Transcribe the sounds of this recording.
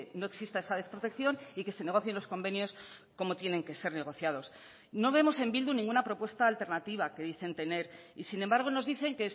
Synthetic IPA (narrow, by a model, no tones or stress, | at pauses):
no̞e̞ksist̪aesaðe̞spɾo̞t̪e̞kθjo̞nike̞se̞ne̞ɣo̞θje̞nlo̞sko̞mbe̞njo̞sko̞mo̞t̪je̞nẽ̞ŋke̞se̞ɾne̞ɣ̞o̞θjað̞o̞s | no̞β̞e̞mo̞se̞mbild̪unĩŋɡunapɾo̞pwe̞st̪aːlt̪e̞ɾnat̪iβake̞ðiθe̞nt̪e̞ne̞ɾisinembaɾɣ̞o̞no̞zðiθe̞ŋke